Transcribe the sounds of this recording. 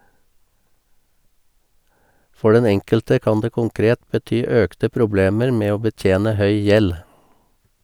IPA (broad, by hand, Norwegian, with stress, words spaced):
ˈfɔ ˈɖɛn ˈɛŋkəltə ˈkɑːn ˈdeː ˈkʊŋˌkɾeːt bəˈtyː ˈœktə ˈpɾʊˌbleːməɾ ˈmeː ˈoː bəˈtjeːnə ˈhœʏ ˈjɛl